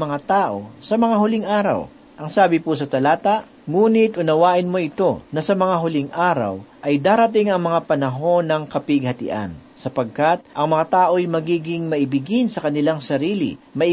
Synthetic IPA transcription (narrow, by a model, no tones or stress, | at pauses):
mɐŋat̪aːʔo̞̰sɐmɐŋaɦʊlɪŋʔaːɾɐ̰w | ʔɐŋsaːbɪpusɐt̪ɐlaːt̪aʔ | ŋuːnɪt̪ʔʊnɐwaːʔɪnmo̞ʔɪt̪o̞nɐsɐmɐŋaɦʊlɪŋʔaːɾɐ̰wʔɐjd̪aːɾɐt̪ɪŋɐŋmɐŋapɐnɐɦo̞nɐŋkɐpɪɡ̚hɐt̪ɪ̰ʔa̰nsɐpɐɡ̚kat̪̚ʔɐŋmɐŋat̪aːʔo̞jmɐɡiːɡɪŋmɐʔɪbɪɡɪnsɐkɐnɪlaŋsɐɾiːlɪ̰mɐʔɪ